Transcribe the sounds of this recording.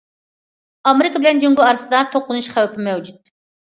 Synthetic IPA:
ɑmeɾɪkɑbɪlɛnd͡ʒøŋɡʲuɑɾsɨd̪ɑt̪ʰoqːʊnuʃχæwpɪmɛwd͡ʒyt̪̚

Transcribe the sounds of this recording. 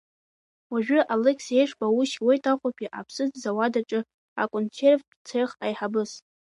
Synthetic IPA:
waʒᶣʊʔalekʰsejʂbʼauʃwejtʰʼaχʷapʰʼiʔa̰pʰsɨzzawadaʈ͡ʂʼɨ | a̰kʼont͡sʰerv | t͡sʰeχajħabɨs

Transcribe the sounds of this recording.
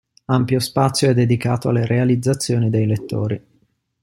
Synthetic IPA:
ampjospat̪sːjoɛd̪ːed̪ikaːt̪oa̰lːeɾealid̪zːat̪sːjoːnid̪ejlet̪ːo̰ːɾi

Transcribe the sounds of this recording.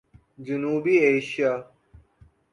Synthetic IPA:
d͡ʑunuːbieːɕja

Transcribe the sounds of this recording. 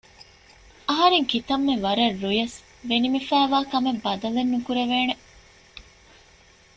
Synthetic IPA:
ɐɦɐɾeŋkit̪ɐmːeʋɐɾɐrːujɐs | ʋenimifæːʋaːkɐmebːɐd̪ɐlenːukuɾeʋeːne

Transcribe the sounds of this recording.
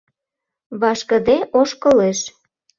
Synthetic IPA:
βɑʃkə̆d̪eʔoʃkəleʃ

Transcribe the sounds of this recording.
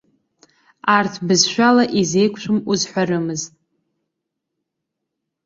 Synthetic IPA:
artʰbɨzʃᶣʷalaʔize̞jkʷʼʰʃʷɨmuzħʷaɾɨmɨztʼ

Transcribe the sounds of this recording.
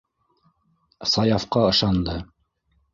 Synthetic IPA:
sɑjɑfqɑɤ̆ʃɑnd̪ɤ

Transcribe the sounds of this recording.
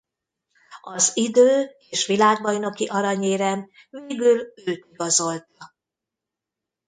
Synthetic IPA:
ɒzid̪øːeːʃʋilaːɡ̚bɒjno̞kiʔɒɾɒɲeːɾɛm | veːɡyløːt̪iɡɒzo̞lt̪ɒ

